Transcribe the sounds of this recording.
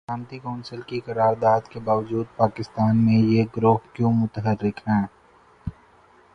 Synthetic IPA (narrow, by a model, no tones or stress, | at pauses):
saːmt̪ikãːnsəlkikɐɾaːɾd̪aːd̪kebaːʋd͡ʒuːd̪̚paːkɪst̪aːnmẽjeɡɾoːpkjõmʊt̪ɦəɾːɪkɦɛ̃ː